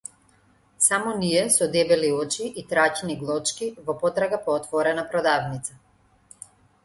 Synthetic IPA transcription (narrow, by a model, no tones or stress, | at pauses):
samɔniɛsɔd̪ɛbɛliɔt͡ʃiʔit̪ɾacniɡlˠɔt͡ʃkivɔpɔt̪ɾaɡapɔːt̪vɔɾɛnapɾɔd̪avnit̪sa